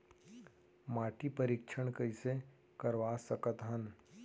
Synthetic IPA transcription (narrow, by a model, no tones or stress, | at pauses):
maːʈipəɾikʃʰəɽ̃kɐise | kəɾʋaːsəkət̪ɦən